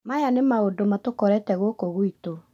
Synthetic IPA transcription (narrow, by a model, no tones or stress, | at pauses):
majanemaodomatokɔɾɛtɛɣokoɣwito